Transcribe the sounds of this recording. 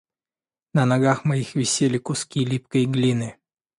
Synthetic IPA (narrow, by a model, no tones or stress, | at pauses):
nənɐɡaxmɐjixvʲɪsʲelʲɪkʊskʲijlʲip̚kəjɡlʲinɨ